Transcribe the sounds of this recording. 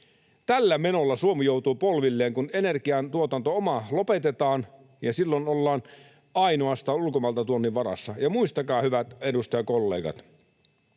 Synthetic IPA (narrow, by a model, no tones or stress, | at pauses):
t̪ælːæme̞nolːɑsuomujowt̪uːpo̞lʋilːeːŋkune̞ne̞rkiɑnt̪uot̪ɑnt̪oomɑlo̞pe̞t̪et̪ɑːn | jɑsilːonolːɑːn | ɑinoɑst̪ɑːulkomɑlt̪ɑt̪uonːiʋʋɑɾɑ̰sːɑjɑmuist̪ɑkɑːhyʋæt̪edust̪ɑjɑko̞lːḛːɡɑ̰t̪